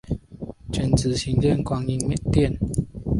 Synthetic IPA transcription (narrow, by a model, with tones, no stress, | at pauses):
t͡ɕɥɛ˨˦nt͡sɹ̩˨˩ɕi˧˦ŋt̪jɛ˥˨nkwa˧˥ŋi˧nt̪jɛ˥˨n